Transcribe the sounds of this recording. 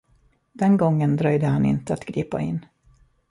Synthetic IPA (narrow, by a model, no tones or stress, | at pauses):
d̪̥ɛnɡɔŋːənd̪ɾœjd̪əhanɪ̰nt̪əat̪ɡɾiːpa̰ɪ̰nː